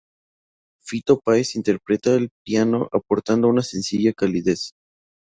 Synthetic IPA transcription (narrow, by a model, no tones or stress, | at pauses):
fit̪o̞paesint̪e̞ɾpɾe̞t̪aelpjano̞ʔapo̞ɾt̪and̪o̞unase̞nsiʝakaliðes